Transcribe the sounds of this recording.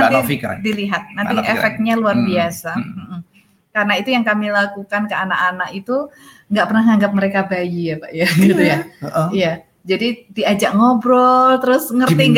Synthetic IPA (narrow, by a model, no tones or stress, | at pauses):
anifikdiliɦat̪̚nant̪iʔefɛk̚t̪̚ɲaluarbiasam̩hm̩ | karənait̪ujaŋkamilakukankəanakanakit̪u | ŋɡaʔpərnahŋaŋɡap̚məɾekabajijapaʔjaɡit̪ujaija | d͡ʒadidiad͡ʒaʔŋobɾɔlt̪əɾʊsŋərt̪iŋɡ